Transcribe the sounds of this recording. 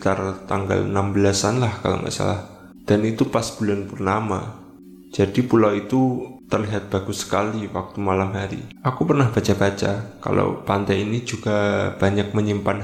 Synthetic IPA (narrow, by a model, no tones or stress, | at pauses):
t̪art̪aŋɡa̰lnambəlasanlahka̰lo̰ma̰ʔsa̰lah | d̥anit̪upasb̥ulanpʊrnama̰ | d͡ʒ̥adipulawit̪ut̪ərliɦat̪̚b̥aɡ̥usə̥kaliwak̚t̪umalamɦaɾḭʔakupərnahb̥at͡ʃab̥at͡ʃaka̰lo̰pant̪ɛinid͡ʒuɡ̥ab̥aɲak̚məɲimpan